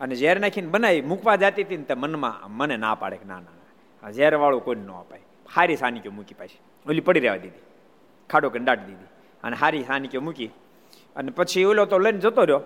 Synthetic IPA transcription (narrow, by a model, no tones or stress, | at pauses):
əned͡ʒaɾɛnakʰinbənaimukʰʋad͡ʒat̪it̪int̪emənmã̰mənena̰pa̰ɽekna̰nana | ad͡ʒaɾɛʋaɭokoinːoə̰pai | haɾisaːnikjomukipat͡ʃʰi̥ | olipəɽiɾeʋa̰d̪id̪i | kʰaɖokənɖaːʈd̪id̪i | ə̰neɦaɾisaːnikjomuki | ənepət͡ʃʰiolot̪olənd͡ʒət̪oɾjo